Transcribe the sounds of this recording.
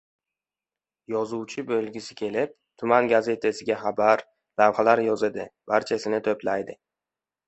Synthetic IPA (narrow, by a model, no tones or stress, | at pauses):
jɒzuwt͡ʃʰɪbɵlɡʲɪsɪkʲʰe̞lɪp̚t̪ʰʊmanɡaze̞t̪ʰasɪɡʲaχabaɾ | lavχalaɾjɒzɪd̪ɪb̥aɾt͡ʃʰasɪnɪt̪ʰɵplajd̪ɪ